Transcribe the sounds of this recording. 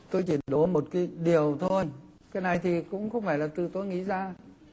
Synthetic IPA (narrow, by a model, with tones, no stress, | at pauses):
t̪o˧jt͡ɕi˧˩˨ɗo˨˦mo˨˩t̚kaː˨˦jɗi˨˩əwt̪ʰo˧j | kaː˨˦jna˨˩jt̪ʰi˨˩kʊ̰˧˥ŋ͡mxə˧wŋ͡mfaː˧˩jlaː˨˩t̪ɨ˨˩t̪o˧jŋḭ˧˥zaː˧